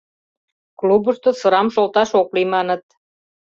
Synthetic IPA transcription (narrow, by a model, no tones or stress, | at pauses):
klubəʃt̪ŏsɤ̆ɾɑmʃolt̪ɑʃoklimɑnɤ̆t̪̚